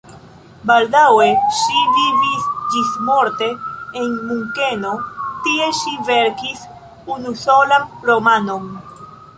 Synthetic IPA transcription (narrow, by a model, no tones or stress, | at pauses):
bald̪aweʃivivisd͡ʒismo̞ɾt̪e̞ːnmuŋkeno̞t̪ie̞ʃive̞ɾkis | unusolamɾomanom